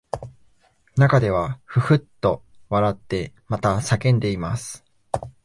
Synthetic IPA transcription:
nakad̪e̞β̞aɸɯ̟hɯ̟t̪ːo̞ | βaɾat̪ːe̞mat̪asakẽ̞nd̪e̞imasɨ̥

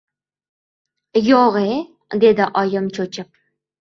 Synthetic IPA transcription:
joʁe | d̪ed̪ɪʔɒjɪmt͡ʃʰot͡ʃʰɪp̚

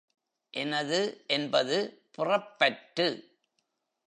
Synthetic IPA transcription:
ʔɛnɐðɯʔɛnbɐðɯpʊrɐpːɐʈːɯ

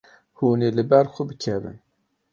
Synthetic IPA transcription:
huniləbæɾˤxubəkʰːæbə̰n

